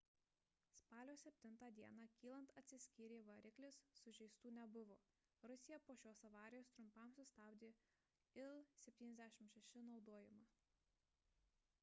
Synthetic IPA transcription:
spɑːlʲoːsʲɛpʲt̪ʲɪnˑt̪ɑːd̪ʲiɛnɑkʲiːlˠɐnt̪ɐt̪ʲsʲɪsʲkʲiːɾʲeːʋɐɾʲɪklʲɪsːʊʒʲɛɪst̪uːnʲɛbʊʋoː | ɾʊsʲɪjɛpoːʃʲoːsɐʋɑːɾʲɪjoːst̪ɾʊmpɐmsʊsʲt̪ɑːbʲd̪ʲeː | ɪlˠsʲɛpʲt̪ʲiːnʲɛzʲd̪ʲæʃʲɪmʃʲɛʃʲɪnɒʊd̪oːjɪmɑ

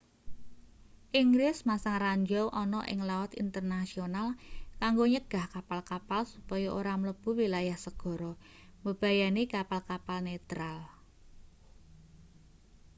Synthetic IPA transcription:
ʔiŋɡlɪsmasaŋraɲd͡ʒɔwʔɔnɔʔɪ̰ŋlawɔt̪ḭnt̪ərnasionalkaŋɡoɲəɡ̥a̤hkapalkapalsupɔjɔʔoɾamələb̥ṳwilajahsəɡ̥ɔ̤ɾɔ | məb̥a̤janikapalkapalnet̪ɾal

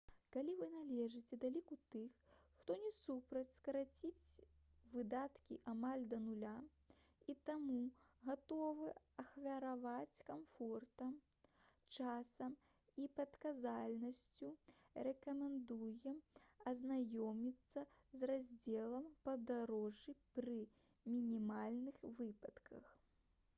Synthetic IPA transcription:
kalʲivɨnalʲɛʐɨt͡sʲɛd̪alʲikut̪ɨxxt̪ɔnʲɛsupɾɐt͡sʲskɐɾat͡sʲit͡sʲvɨd̪at̪kʲiʔamalʲd̪ɐnulʲa | it̪amuɣat̪ɔvɨ | ɐxvʲɐɾavat͡sʲkamfɔrt̪ɐm | t͡ʂasɐm | ipɐt̪kazalʲnɐsʲt͡sʲu | rɛkɐmʲɛnd̪ujɛmɐznajɔmʲit̪sːɐzrazʲd͡zʲɛlˠɐmpɐd̪aɾɔʐipɾɨ | mʲinʲimalʲnɨxvɨpɐt̪kʰɐx

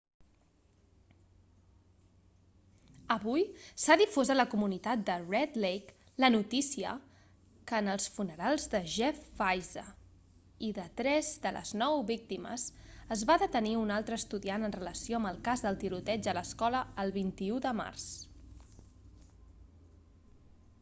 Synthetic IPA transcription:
əβujsaðifozələkumunit̪at̪̚d̪ərɛd̪lejk | lənut̪isiə̰ | kənəlˠsfunəɾalˠzðəʒɛfːajzə̰ | iðət̪ɾɛzd̪ələ̰znɔwβik̚t̪imə̰zəzβaðət̪əniunalˠt̪ɾəːst̪uðianənrələsioəməlˠkazðəlˠt̪iɾut̪ɛd͡ʒələskɔləːlˠβint̪iuðəma̰rs

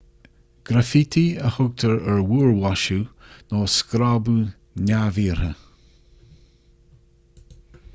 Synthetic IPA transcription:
ɡ̥ɾafit̪iəhʊɡ̚t̪ʰəɹəɹwuːɹwaʃunɔːskɾaːbu | nʲaviːɹhə

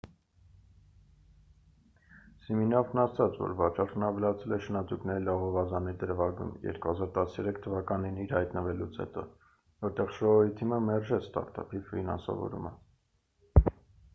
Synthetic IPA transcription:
siminɑvnɑsɑt͡svɔ̰ɾvɑt͡ʃʰɑɾʰnɑvɛlɑt͡sʰɛlɛʃənɑt̪uknɛɾilɑʁɔvɑzɑniɾd̪əɾvɑɡṵmjɛ̰ɾkuhɑzɑɾt̪ɑsjɛɾɛkʰt̪ʰəvɑkɑniniɾhɑjt̪nəvɛlut͡sʰhɛ̰t̪ɔ̰ | vɔɾt̪ɛʁʃɔɔit̪ʰiməmɛɾʒɛt͡sʰst̪ɑ̰ɾt̪ɑ̰pʰivfinɑ̰nsɑ̰vɔ̰ɾṵmə

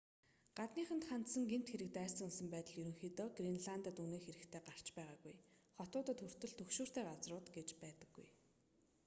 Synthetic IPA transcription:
ɢ̥at̪niːχə̆nt̪χan̥t̪sə̆ŋɡem̥t̪xeɾɘ̆k̚t̪æːsə̆ŋɵnsə̆mpæːt̪ə̆ɮjɵɾɵ̆ŋxiːt̪ɔːɡrinɮant̪at̪uneːxeɾɘ̆kt̪ʰeːɢar̥t͡ɕpæːʁaːɡujχɔt̪ʊːt̪ə̆t̪xɵr̥t̪ɵ̆ɮt̪ʰɵkʃuːr̥t̪ʰeːɢat͡srʊːt̪ɡet͡ɕpæːt̪ə̆ɡːṵj

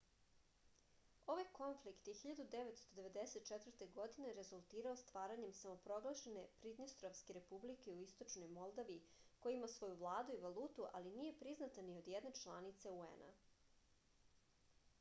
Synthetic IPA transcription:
o̞ʋajko̞ɱflikt̪jexiʎad̪ud̪eʋet̪st̪o̞d̪eʋe̞d̪eset̪̚t͡ʃɛt̪vɾrt̪eɡo̞d̪ine̞ɾe̞zulˠt̪iːɾaost̪ʋaːɾaɲe̞msamo̞pɾo̞ɡlˠaʃene̞pɾid̪nost̪ɾoʋske̞ɾe̞publikeuist̪o̞t͡ʃno̞jmolˠd̪aʋiiko̞jiimasʋo̞juvlˠaːd̪uiʋalˠuːt̪uʔalinije̞pɾiznat̪anio̞d̪jed̪ne̞t͡ʃlˠanit̪seuḛna̰

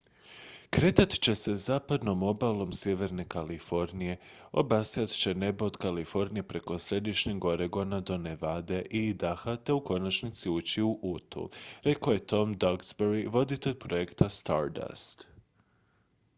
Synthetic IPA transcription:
kɾe̞t̪at̪i̥t͡ɕe̞se̞zaːpad̪no̞mo̞balˠo̞msje̞ʋe̞ɾne̞kalifo̞ɾnije̞ | o̞̰basijat̪t͡ʃe̞ne̞bod̪kalifo̞ɾnije̞pɾe̞ko̞sɾe̞d̪iʃɲeɡo̞ɾeɡo̞nad̪o̞neʋad̪e̞ʔid̪axat̪euko̞nat͡ʃnit̪siuːt͡ɕiuʔut̪ṵɾe̞koje̞t̪o̞md̪aɡsbeɾiʋo̞d̪it̪e̞ʎʲpɾo̞jekt̪ast̪a̰ɾda̰st̪

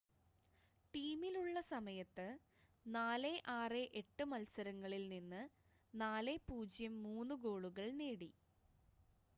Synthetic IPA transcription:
ʈiːmiluɭːɐsɐmɐjɐt̪ːɨ | naːle̞ʔaːreʔeʈːɨmɐlsɐɾɐŋːɐɭilninːɨ | naːle̞puːd͡ʑjɐmːuːnːuɡo̞ːɭuɣɐɭneːɽi

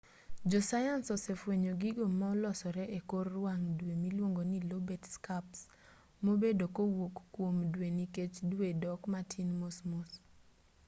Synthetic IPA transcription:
d͡ʒɔsajansɔsefweɲoɡiɡomaɔlɔsɔɾɛʔekorːwaŋdwemilwoŋɡonilobɛtskaps | mobedokowokːwomdweniket͡ʃdwedɔkmatʰinmosmos

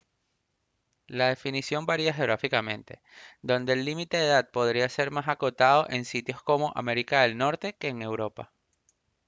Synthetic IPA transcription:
laðe̞finisjo̞mbaɾiaxe̞oɣɾafikamẽ̞nt̪e̞̰ | d̪o̞nd̪e̞ːlːimit̪e̞ðeðat̪̚po̞ð̞ɾiase̞ɾmasako̞t̪að̞o̞ʔe̞nsit̪jo̞sko̞mo̞ʔame̞ɾikaðe̞lno̞ɾt̪e̞ke̞ːŋe̞wɾo̞pa̰

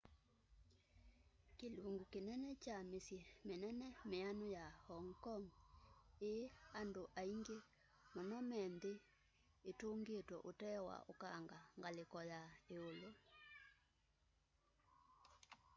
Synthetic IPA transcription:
keluŋɡukenɛnɛt͡ʃamesjemenɛnɛmeanojahɔŋkɔŋ | eandoʔaiŋɡe | mɔnɔmɛnd̪eː | toŋɡetwɔʔotɛwa̰ʔokaŋɡaŋɡalekɔjaeolo

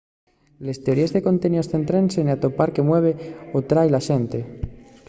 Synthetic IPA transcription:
le̞st̪e̞o̞ɾiezðeko̞nt̪enjosθent̪ɾenseniat̪opaɾke̞mwe̞β̞eot̪ɾajlaʃent̪e

